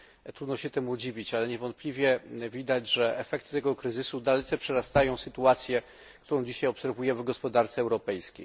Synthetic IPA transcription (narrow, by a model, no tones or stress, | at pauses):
t̪ɾud̪nɔɕɛt̪ɛmud͡ʑivʲit͡ɕalɛɲɛvɔnt̪̚plʲivʲjɛvʲid̪ad͡ʑʐɛʔɛfɛk̚t̪ɘ̥t̪ɛɡɔkɾɘzɘsud̪alɛt̪sɛpʂɛɾast̪ajɔ̃w̃sɘt̪uat̪sʲjɛ | kkt̪uɾɔ̃w̃d͡ʑiɕajɔpsɛɾvujɛvɡɔspɔd̪aɾt̪sɛwɾɔpɛjskʲḛj